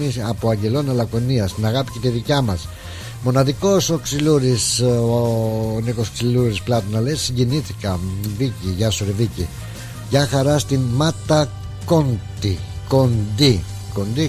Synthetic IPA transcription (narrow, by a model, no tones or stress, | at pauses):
iɐpoɐɲɟe̞lo̞nɐlɐkoniɐst̪inɐɣɐpi̥cet̪iðicɐmɐs | mo̞nɐðiko̞soksiluɾisonikosoksiluɾisplɐt̪onɐlessiɲɟeniθikɐviciʝɐsoɾevici | ʝɐxɐɾɐst̪imɐt̪ɐ | ko̞nt̪i | ko̞nd̪i | kond̪i